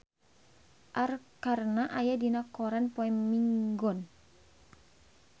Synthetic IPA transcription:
ʔarkarnaʔajadinakɔɾanpɔɛmːiŋɡɔn

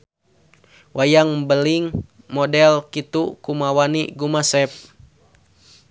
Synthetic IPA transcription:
wʔajaŋbəliŋ | mɔdɛlkit̪ukumawaniɡumasɛp̚

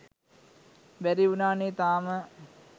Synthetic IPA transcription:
ʋæɾiunaːnet̪aːmə

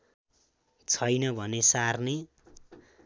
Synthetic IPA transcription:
t͡sʰʌjnʌbʱʌnesarne

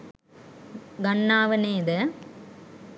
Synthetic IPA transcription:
ɡɐɳːaːʋɐneːðɐ

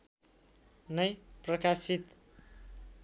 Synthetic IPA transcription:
nʌjprʌkasit̪

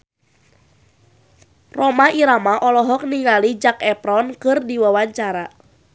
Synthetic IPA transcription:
rɔmaiɾamaʔɔlɔɦɔk̚niŋalid͡ʒakɛpɾɔnkɨrdiwawaɲt͡ʃaɾa

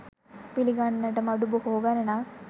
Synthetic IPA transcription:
piliɡanːɐʈɐmɐɖubuhoːɡɐɾɐna

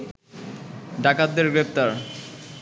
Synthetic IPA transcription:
ɖakad̪ːeɾɡɾep̚t̪aɾ

